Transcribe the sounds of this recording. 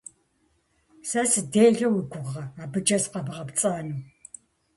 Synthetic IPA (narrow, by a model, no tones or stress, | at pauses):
sasɨdeːɮɐwiɡʷʊʁʁɐaːbɨd͡ʒɐsqɐbɨʁɐpt͡sʼaːnuː